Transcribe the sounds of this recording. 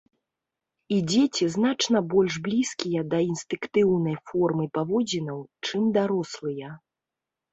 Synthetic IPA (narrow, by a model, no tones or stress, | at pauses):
id͡zʲet͡sʲiznat͡ʂnɐbɔlʲʐblʲiskʲijɐd̪ɐinst̪ɨkt̪ɨwnɐjfɔrmɨpavɔd͡zʲinɐwt͡ʂɨmd̪aɾɔslˠɨjɐ